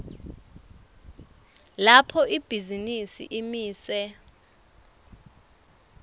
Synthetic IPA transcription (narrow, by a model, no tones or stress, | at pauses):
lapʰɔʔib̥ʱizinisḭʔimiːsɛ